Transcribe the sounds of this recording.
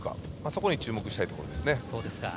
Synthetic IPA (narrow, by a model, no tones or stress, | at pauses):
ka̰ | maso̞ko̞ɲ̟it͡ɕɨːmo̞kɯ̟ɕi̥t̪ait̪o̞ko̞ɾo̞d̪esɨne̞soːd̪eska̰